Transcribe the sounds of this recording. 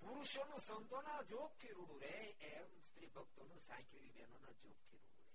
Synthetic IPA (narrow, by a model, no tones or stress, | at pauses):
puɾuʃjonũsənd̪onad͡ʒoɡ̚t̪ʰiɾuɽuɾe | emst̪ɾibʱəɡ̚t̪onũsã̰kʰjuɾibɛnona̰d͡ʒo̰ɡ̚t̪ʰiɾṵɽuɾe